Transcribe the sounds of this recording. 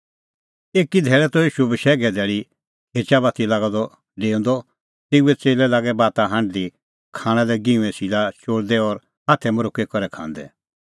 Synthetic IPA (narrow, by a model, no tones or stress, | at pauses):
eːkid̪ʱɛːɭɛt̪ɔjiːʃubiʃɛːɡɛd̪ʱɛːɭi | ɦeːt͡ʃaβaːt̪ʰilaːɡad̪ɔ | ɖeːɔ̃nd̪ɔ | t̪eːuɛt͡seːlɛlaːɡɛbaːt̪aɦɐ̃ɳɖd̪i | kʰaːɽ̃ɛ̃lɛɡĩũɛ̃silat͡ʃoːɽd̪ɛɔɾ | ɦat̪ʰɛmɔɾʊkɛkɔɾɛkʰã̰ːnd̪ɛ̰